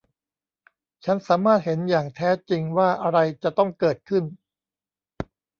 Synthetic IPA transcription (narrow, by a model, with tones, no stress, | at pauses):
t͡ɕʰa˦˥nsaː˩˦maː˥˩t̪̚he˩˦njaː˨˩ŋt̪ʰɛː˦˥t͡ɕi˧ŋwaː˥˩ʔa˧ɾa˧jt͡ɕa˨˩t̪ɔ˥˩ŋkɤː˨˩t̪̚kʰɯ˥˩n